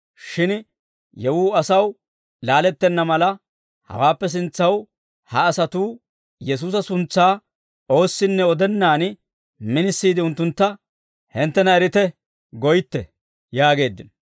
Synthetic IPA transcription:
ʃɪn | jɛwuːɐsɐw | laːlɛt̪ːɛnːɐmɐlɐ | hɐ̰waːpːɛs̬ɪnt͡sːɐw | hɐːsɐt̪uː | jɛs̬uːsɐsʊnt͡sːaː | o̞ːsːɪnːɛɔd̪ɛnːaːn | mɪnɪsːiːd̪ɪʊnt̪ːʊnt̪ːɐ | hɪnt̪ːɛnɐɛɾɪt̪ɛ | ɡɔjɪt̪ːɛ | jaːɡe̞ːd̪ːɪn

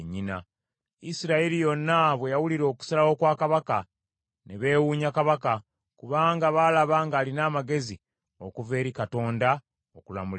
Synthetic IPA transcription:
ɲːina̰ | isiɾaelijo̞nːaβwe̞jawuliɾo̞ːku̥salawo̞kwaːkaβaka | neβe̞ːwuːɲakaβaka | kuβaːŋɡaβaːlaβaːŋɡaːlinaːmaɡe̞zi | o̞kuve̞ːɾikato̞ːnda | okula̰mul

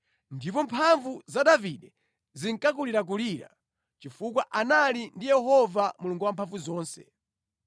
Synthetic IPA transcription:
ndipɔmpʰaɱvuzaɗaviɗɛ | ziŋkak̬uliɾak̬uliːɾa̰ | t͡ʃifuk̬waʔanalindijɛhɔvamuluŋɡuwampʰaɱvuzɔːnsɛ̰

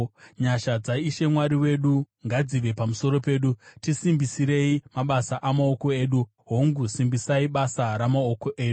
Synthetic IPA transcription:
ɲaʃad͡zaiʃe̞mwaɾiwe̞ɗu | ŋɡad͡ziʋe̞pamuso̞ɾo̞pe̞ːɗutisimbisiɾe̞imaɓasaʔamao̞ko̞e̞ːɗu | ɦo̞ŋɡusimbisaiɓasaɾamaoko̞ʔe̞ːɗu

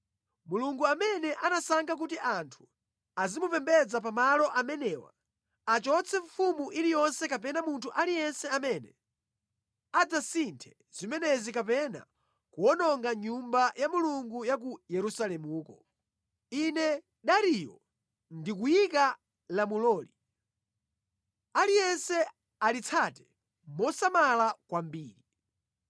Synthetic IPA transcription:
muluŋɡuamɛnɛʔanasaŋɡak̬utiʔantʰu̥ | azimupɛmbɛd͡zap̬amalɔʔamɛnɛwa̰ | at͡ʃɔt͡sʰɛɱfumuʔiɾijɔnsɛkapɛnamuntʰuʔalijɛnsɛamɛnɛ | ad͡zasintʰɛ̥ | z̥imɛnɛzikapɛna̰ | kuɔnɔŋɡaɲumbajamuluŋɡujak̬ujɛɾusalɛmuːkɔ | inɛ | ɗaɾijɔ̰ | ndik̬ujika | lamulɔːli | alijɛnsɛ | alit͡sʰatɛ̥ | mɔsamalakwambiːɾi

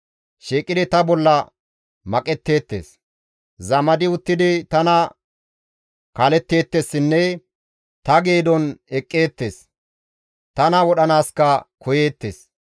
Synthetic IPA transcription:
ʃeːkʼːɪd̪ɪt̪ɐbɔlːɐ | mɐkʼɛt̪ːe̞ːt̪ːe̞̰ːs | zɐmɐd̪ɪʊt̪ːɪd̪ɪt̪ɐnɐ | kaːlɛt̪ːe̞ːt̪ːesːɪnːɛ | t̪ɐɡe̞ːd̪ɔnɛkʼːe̞ːt̪ːe̞ːs | t̪ɐnɐwɔɗɐnaːskɐkɔje̞ːt̪ːḛːs

